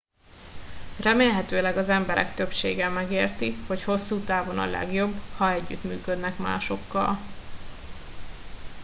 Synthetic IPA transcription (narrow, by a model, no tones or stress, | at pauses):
rɛmeːlɦɛt̪øːlɛɡɒzɛmbɛɾɛ̰kt̪ø̞pʃḛːɡɛmɛɡeːrt̪iho̞cho̞sːuːt̪aːvo̞nɒ̰lɛ̰ɡjo̞bːhɒɛɟːy̰t̪myːkød̪nɛkma̰ːʃo̞kːɒ̰l